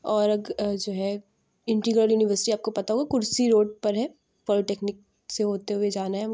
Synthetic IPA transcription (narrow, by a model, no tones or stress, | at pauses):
ɔːɾɐɡd͡ʒoːɦɛ | ɪ̃ɳʈiɡɾəɾjuːnɪʋəɾsɪ̥ʈiaːp̚kopɐt̪aɦoːɡakʊɾsiɾoːɖ̚pɐɾɦɛ | pɔːlɪʈeːknɪk̚ | seɦoːt̪eɦʊed͡ʒaːnaɦɛ